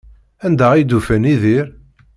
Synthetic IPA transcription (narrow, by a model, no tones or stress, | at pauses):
ænd̪æijd̪ufæniðiɾ